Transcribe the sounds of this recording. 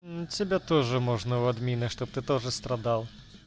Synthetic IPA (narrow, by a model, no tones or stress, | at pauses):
t͡sʲabʲɛt̪ɔʐɨmɔʐnɐwad̪mʲinɐʂt̪ɔp̚t̪ɨt̪ɔʐɨst̪ɾad̪alˠ